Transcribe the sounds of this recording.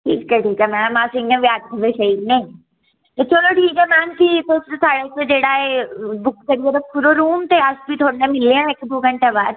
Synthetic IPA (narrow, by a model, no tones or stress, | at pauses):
ʈʰiːkːɛʈʰiːkɛmɛːnamaːsɪ̃ŋẽʋjaːt̪̚ɡʱɐbeʃɐiːd̪nẽ | t̪ot͡ʃoːloʈʰiːkɛmaːnt̪ʰit̪ossaːɽesed͡ʒeːɽaebʊk̚kɐɾied̪ɐpuɾoɾuːmt̪easbʱit̪ʰoːɽnẽmɪlːeãekd̪oːɡɐ̃ɳʈabaːd̪